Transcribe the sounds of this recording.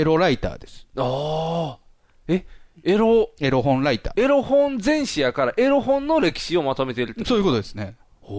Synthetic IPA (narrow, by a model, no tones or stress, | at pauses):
eɾo̞ɾait̪a̰ːd̪e̞sɨ̥aː | eeɾoe̞ɾo̞ɦõ̞nɾait̪a̰ːe̞ɾo̞hõnd͡zẽ̞ɰ̃ɕijakaɾaʔe̞ɾo̞ɦõ̞nːo̞ɾe̞kʲi̥ɕio̞mat̪o̞me̞t̪e̞ɾɯ̟t̪ːso̞ːjɯko̞t̪o̞d̪e̞sɨne̞